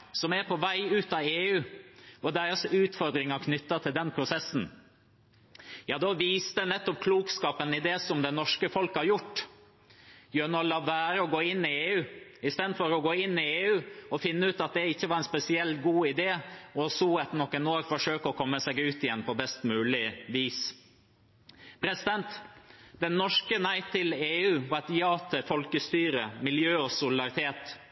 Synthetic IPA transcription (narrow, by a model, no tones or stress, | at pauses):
sɔmæɾpʰɔʋæɪʉːt̪ɑːʋeːʉːɔd̪æɪɾəsʉːt̪fɔɾd̪ɾɪŋɑkʰnʏt̪ːət̪ʰɪld̪ɛnpʰɾʊsɛsːn̩ | jɑːd̪ɔʋiːst̪ənɛt̪ːɔpkʰluːkskɑːpənɪd̪esɔmd̪ɛnɔʂkəfɔlkhɑɾjʊʈː | jøːnɔlɑʋæːɾəɔɡoːɪnːɪeːʉːɪst̪eːd̪d̪fɔɾɔɡoːɪnːɪeːʉːɔfɪnːəʉːt̪ɑt̪̚d̪ɛɪçːəʋɑɾɛnspɛsɪɛlɡuːɪd̪eːɔsuːɛt̪nɔkːɛnoːɾfɔʂøːkəɔkʰɔmːəsɛɡʉːt̪ɪjɛnːpʰɔbɛst̪mʉːlɪʋiːs | pʰɾɛsɪd̪ɛnt̪d̪ɛnːɔʂkənæɪt̪ʰːɪleːʉːʋɑt̪jɑːt̪ʰəfɔlkəst̪yːɾəmɪljøːɔsʊlɪd̪ɑɾɪt̪ʰeːt̪